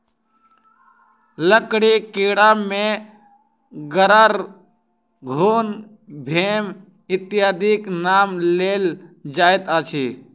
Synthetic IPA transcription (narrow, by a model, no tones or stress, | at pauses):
ləkɽikiɽamẽ | ɡəɾaɾ | ɡʱuːn | bʱeːm | ɪt̪ɪjaːd̪iknaːmleːld͡ʒaːet̪aːt͡ʃʰiː